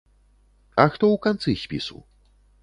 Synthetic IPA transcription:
axt̪ɔukant̪sɨɕpʲḭsṵ

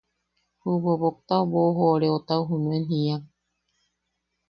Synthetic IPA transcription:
hubobok̚t̪aoboɦoɾeot̪awɦunũenɦiaŋ

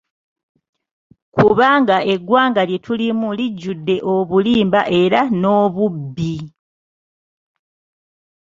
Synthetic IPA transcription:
kuβaːŋɡae̞ɡwaːŋɡalje̞tʰulimuliɟːudːe̞ʔo̞βuliːmbaʔe̞ɾano̞ːβubːi

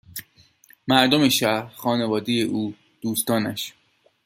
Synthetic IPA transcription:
mæɾd̪ome̞ʃæɾxɒːne̞vɒːd̪ejeʔuː | d̪̥uːst̪ɒːnæʃ

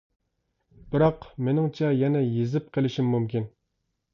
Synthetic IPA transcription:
b̥ɪɾɑqmenɪŋt͡ʃʰɛjɛnɛjezɪp̚qʰelˠɪʃimːumkʲin

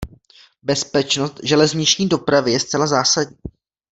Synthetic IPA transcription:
bɛspɛt͡ʃnost̪ʒɛlɛzɲɪt͡ʃɲiːdo̞pɾavɪjɛst̪t͡sɛlazaːsaɟɲiː

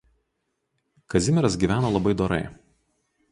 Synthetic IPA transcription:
kɐzʲɪmʲɛɾɐs̬ɡʲiːʋʲæːnoːlˠɐbɐɪd̪oːɾɐ̰ɪ

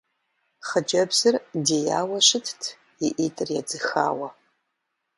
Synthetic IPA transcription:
χəd͡ʒɐbzɨrdeja̰ːwɐʃɨtʰtʰ | iʔitʼɨrjad͡zɨxa̰ːwɐ

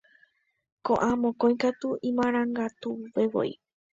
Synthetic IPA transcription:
kõʔãmõkõĩj̃kat̪uʔĩmãɾ̃ãŋɡat̪upeʋo̰ḭ

